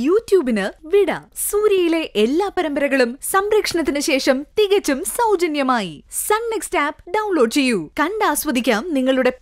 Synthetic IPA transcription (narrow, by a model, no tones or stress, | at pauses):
juːtjuːbinɨʋiɽɐsuːɾjɐjile̞ʔelːaːpɐɾɐmbɐɾɐɣɐɭumsɐmɾɐkʂɐɳɐt̪̬ːinɨɕe̞ːʂɐmt̪iɣɐt͡ɕːumsɐwd͡ʑɐnjɐmaːjisɐnnekstaːpɖɐwnlo̞ːɖt͡ɕe̞jːukɐɳɖaːsʋɐd̪ʱikʲːaːmniŋːɐɭuɽe̞